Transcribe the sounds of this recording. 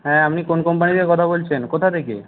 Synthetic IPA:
ɦɛ̃apnikonkɔmpanid̪eɾkɔt̪ʰabolt͡ɕʰenkot̪ʰat̪ʰekḛ

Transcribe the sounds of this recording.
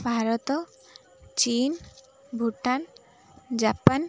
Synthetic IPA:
bʱaɾɔt̪ɔ | t͡ʃin | bʱuʈan | d͡ʒapan

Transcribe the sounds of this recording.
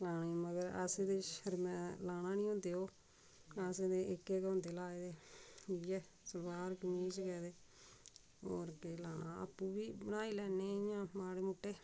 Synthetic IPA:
laːniːməɡəɾə̰sẽd̪eʃəɾmɛ̃ːlaːnãːnĩːõːnd̪eːoː | aːsẽd̪eʔɪkːeːkɔ̃ːnd̪eːlaːed̪eːijɛː | səlbaːɾkəmiːt͡ʃkɛːd̪eː | oːɾkelaːnaːə̰pːũːbiːbənaːiːlɛːneːjãːmaːɽeːmʊʈːeː

